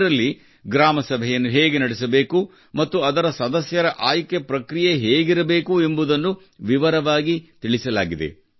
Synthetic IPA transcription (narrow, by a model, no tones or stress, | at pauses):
ɾɐlːi | ɡɾaːmɐsɐbʱɛjɐnːuɦeːɡe̞nɐɽɛsɐbe̞ːku | mɐt̪ːuɐd̪ɐɾɐsɐd̪ɐsjɐɾɐʔaːjkepɾɐkɾijeɦeːɡiɾɐbe̞ːkue̞mbud̪ɐnːu | ʋiʋɐɾɐʋaːɡit̪iɭisɐla̰ːɡid̪ḛ